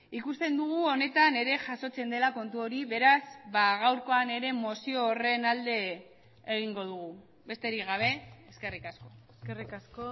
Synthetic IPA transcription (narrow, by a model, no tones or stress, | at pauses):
ikust̪e̞nd̪uɣ̞uo̞ne̞t̪ane̞ɾe̞ʝaso̞t͡se̞nd̪e̞lako̞nt̪uo̞ɾiβe̞ɾazβaɣ̞awɾko̞ane̞ɾe̞mo̞sio̞ːre̞nald̪e̞ː | ɣ̞iŋɡo̞ð̞uɣ̞u | βe̞st̪e̞ɾiɣaβ̞e̞eske̞rikasko̞ | skerikasko